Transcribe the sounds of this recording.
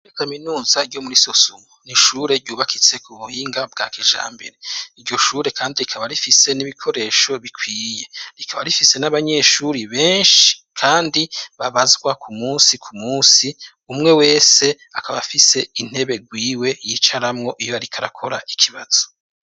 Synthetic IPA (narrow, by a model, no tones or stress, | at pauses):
okaminuːzaɾɟo̞muɾiso̞sumoniʃuːɾe̞ɾɟuːβakʰit͡se̞kuβuhiːŋɡab̚ɡa̰ːkʰeʒa̰ːmbe̞̰ɾe̞iɾɟo̞ʃuːɾe̞kʰaːndiɾikʰaβaɾifise̞niβikʰo̞ɾe̞ːʃo̞βikwiːje̞ɾikʰaβaɾifise̞naβaɲe̞ʃuɾiβe̞ːnʃi̥kʰaːndiβaβazɡwakʰumuːsikʰumuːsi | umŋe̞we̞ːse̞ | akaβafise̞in̥he̞βe̞ɡwiːwe̞jiːt͡ʃaɾamŋo̞ʔijoaɾikʰaɾa̰kʰo̞ɾaʔikʰiβaz̥o̞